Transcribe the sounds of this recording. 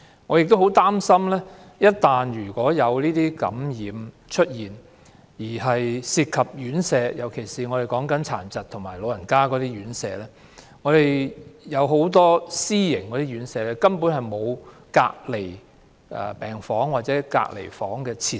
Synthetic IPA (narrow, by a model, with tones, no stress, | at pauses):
ŋɔː˨˧jɪ˨k̚t̪o˥who˨˥wt̪aː˥msɐ˥mlɛː˥jɐ˥t̚t̪ːaː˨njyː˨˩kʷɔː˨˥jɐ˨˧wliː˥t̪iː˥kɐ̰˨˥mjiː˨˧m | t͡ʃʰɵ˥t̚jiː˨˩n | jiː˨˩ɦɐ˨jsiː˧t̚kʰɐ˨p̚jyː˨˥nsɛː˧jɐ˨˩wkʰe˨˩jsiː˨ŋɔː˨˧ɾe˨jkɔː˨˥ŋkɐ˨˥nt͡sʰa̰ː˨˩nt͡sɐ˨t̪ʰʊ˨˩ŋmaː˨˩jlo˨˧wjɐ˨˩nkaː˥kɔː˨˧˥t̪iː˥jyː˨˥nsɛ̰ː˧lɛː˥ | ŋɔː˨˧ɾe˨jjɐ˨˧wɦo˨˥wt̪̬ɔː˥siː˥jɪ˨˩ŋkɔː˨˧ɾi˥ɥyː˨˥nsɛː˨˧lɛː˥kɐ˥npu˨˥nhɐ˨jmo˨˧w | ka̰ː˧k̚le˨˩j | ʔɛ̰˨pɛː˨ŋfɔː˨˥ŋwaː˨t̚t͡sɛː˨˧˥ka̰ː˧k̚lḛ˨˩jfɔː˨˥ŋkɛː˧t͡sʰiː˧˩